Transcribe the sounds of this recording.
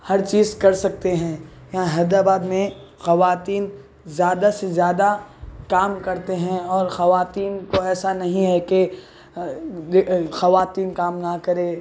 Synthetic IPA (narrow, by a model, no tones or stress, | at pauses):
hɐɾt͡ʃiːzkɐɾsɐk̚t̪eɦɛ̃ | jɐɦãɦɛd̪aːbaːd̪mẽ | xɐʋaːt̪iːn | zjaːd̪asezjaːd̪akaːmkɐɾt̪eɦɛ̃ɔːɾxɐʋaːt̪iːnkoɛːsanɐɦĩɦɛke | xɐʋaːt̪iːnkaːmnakɐɾeː